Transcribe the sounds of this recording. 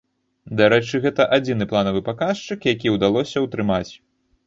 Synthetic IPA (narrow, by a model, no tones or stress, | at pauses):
d̪aɾɛt͡ʂɨɣɛt̪ɐʔad͡zʲinɨplˠanɐvɨpakaʂt͡ʂɨkjakʲiwd̪alˠɔsʲɐwt̪ɾɨmat͡sʲ